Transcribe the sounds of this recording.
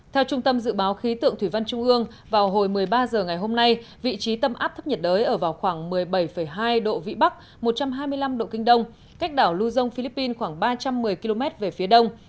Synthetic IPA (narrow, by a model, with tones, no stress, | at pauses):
t̪ʰɛ˧wt͡ɕʊ˧ŋ͡mt̪ə˧mzɨ̰˧˨ɓaː˨˦wxi˨˦t̪ɨ̰˧˨əŋt̪ʰwi˧˩va˧nt͡ɕʊ˧ŋ͡mʔɨ˧əŋ | vaː˨˩wɦo˨˩jmɨ˨˩əjɓaː˧zəː˨˩ŋa˨˩jɦo˧mna˧j | vḭ˧˨t͡ɕi˨˦t̪ə˧mʔa̰ː˦˥p̚t̪ʰə˦˥p̚ɲə˨˩t̚ɗzəː˨˦jʔəː˧˩vaː˨˩wxwaː˧˩ŋmɨ˨˩əjɓə˧˩jfə˧˩jɦaː˧jɗo̰˧˨vḭ˧˨ɓa˦˥k̚ | mo˨˩t̚t͡ɕa˧mɦaː˧jmɨ˧əjla˧mɗo̰˧˨kï˧ŋ̟ɗə˧wŋ͡m | ka˦˥jk̟̚ɗaː˧˩wlu˧zə˧wŋ͡mfi˧li˦˥pːi˧nxwaː˧˩ŋɓaː˧t͡ɕa˧mːɨ˨˩əjki˧lo˧mɛ˦˥t̚ve˨˩fi˨˦əɗə˧wŋ͡m